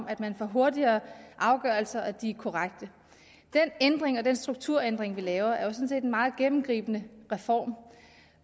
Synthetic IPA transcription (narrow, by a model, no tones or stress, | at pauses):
mʔæd̥mænfɒ̰ɦo̝ɐdiɐːʔɑ̈ʊɡ̥ɶɐl̩sɐʔæd̥ikʰɒʁaɡ̥̚d̥ə | d̥enend̥ʁeŋɒ̽d̥ensd̥ʁuɡ̥̚t͡sʰuɐ̰end̥ʁeŋʋilɛːʊɐʔæɐjo̝sɔ̽n̩se̝̰ːd̥enmɑ̈ːð̞̩ˠɡ̥emm̩ɡ̥ʁḭːb̥ənəʁɛfɒ̰ːm